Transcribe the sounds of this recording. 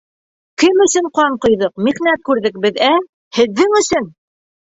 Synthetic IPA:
kɘmɵ̆sɵɴqɑɴqŏjðɤq̚miχnæt̪̚kʉɾðɘk̚bɘðæ | hɘ̆ðːɘŋɵ̆sɵn

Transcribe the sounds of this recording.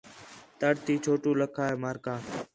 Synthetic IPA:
t̪əɽt̪iːt͡ʃʰoːʈuːləkʰaːeːmaːɾkaː

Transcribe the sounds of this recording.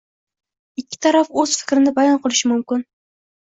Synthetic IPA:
ɪkʲʰːɪ̥t̪ʰaɾafɵz̥fɪ̥kʲɾɪnɪbajɒnqʰɨlˠɪʃɪmʊmkʲɪn

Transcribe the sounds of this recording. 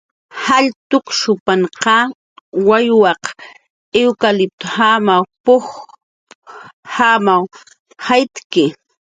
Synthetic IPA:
haʎt̪ʊkʃʊpaɴqɑ | wajwɑq | ewkalɪp̚t̪ʊhamawpox | hamaw | hajt̪kɪ

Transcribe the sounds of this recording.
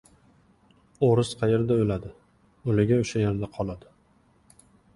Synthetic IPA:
oɾɪsqʰɑjeɾɪd̪aolad̪ɪ | ɵlɪɡʲaʊʃajeɾd̪aqʰɒlˠad̪ɪ

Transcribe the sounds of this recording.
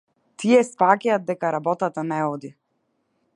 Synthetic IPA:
t̪ʰiɛspakɛad̪̚d̪ːɛkaɾabɔt̪at̪anɛɔd̪i

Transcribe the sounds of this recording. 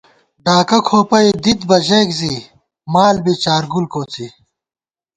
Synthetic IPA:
ɖaːkɐkʰoːpɐid̪id̪bɐd͡ʑeːkzi | maːlbit͡ɕaːɾɡulkoːt͡sʰi

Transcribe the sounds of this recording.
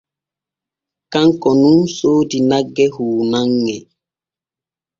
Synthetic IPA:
kãŋkɔnunsoːdinaɡːɛhuːnaŋːɛ

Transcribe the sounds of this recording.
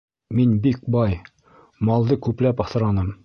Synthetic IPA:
minbik̚bɑj | mɑlˠd̪ɤkʉplæpɒθɤ̆ɾɑnɤm

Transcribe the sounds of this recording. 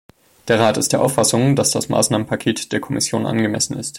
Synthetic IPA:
d̥eːɐʁ̞aːtɪstd̥eːɐʔaʊfasʊŋdasd̥asma̰ːsnaːmənpʰakʰeːtd̥eːɐkʰɔmɪsjoːnʔa̰nɡəmɛ̰sn̩ɪ̰st

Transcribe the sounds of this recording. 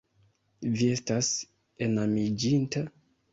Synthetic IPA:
vie̞stas | e̞namid͡ʒinta

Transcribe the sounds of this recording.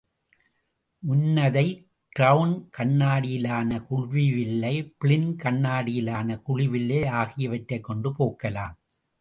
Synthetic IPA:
mʊnːɐðɐɪ | kɾɐʋnkɐɳːaːɽɪjɪlaːnɐkʊɻʋiʋɪlːɐɪpɪɭɪnkɐɳːaːɽɪjɪlaːnɐkʊɻɪʋɪlːeːaːɣɪjɐʋɐʈrɐɪkːɔɳɖɯpoːkːɐla̰ːm

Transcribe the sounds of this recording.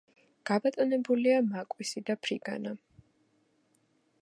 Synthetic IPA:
ɡ̥abat̪ʼɔnɛbuliamakʼwisid̪apʰɾiɡa̰na

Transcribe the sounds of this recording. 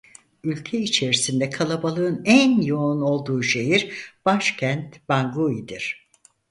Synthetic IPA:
ylʲcʰɛit͡ʃʰe̞ɾisind̪ɛkʰalˠabalˠɯɯnænjo̞uno̞lˠd̪uːʃe̞ɦiɾb̥aʃcʰænt̪baŋɡuid̪iɾ̝̥

